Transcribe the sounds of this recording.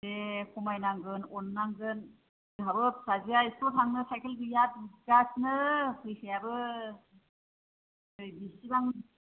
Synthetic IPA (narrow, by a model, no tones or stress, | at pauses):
ekʰɔmajnaŋɡɯnɔnːaŋɡɯn | abɯp̚saziaistɔtʰaŋnɯsajkʰɯlbijat̚iɡasnɯhɯjsʰɯjabɯ | ɯjbisibaŋ